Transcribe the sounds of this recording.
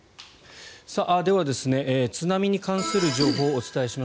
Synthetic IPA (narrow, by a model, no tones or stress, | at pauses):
saʔad̪e̞β̞ad̪e̞sɨne̞ʔːt͡sɨnamʲiɲ̟ikãɰ̃sɨɾɯ̟ʑo̞ːɦo̞ːt͡sɨ̥t̪ae̞ɕima